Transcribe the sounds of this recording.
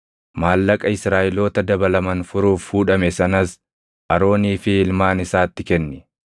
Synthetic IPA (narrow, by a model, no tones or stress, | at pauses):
maːlːɐkʼɐɪsɾaːʔɪlo̞ːt̪ɐd̪ɐbɐlɐmɐnfʊɾuːfhuːᶑɐmɛsɐnɐs | ʔɐɾo̞ːniːfɪːlmaːnɪsaːt̪ːɪkɛnːɪ